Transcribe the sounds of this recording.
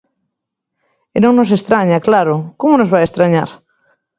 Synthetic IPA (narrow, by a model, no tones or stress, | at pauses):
enõŋnos̬est̪ɾaɲaklaɾʊkomonozβajest̪ɾaɲa̰ɾ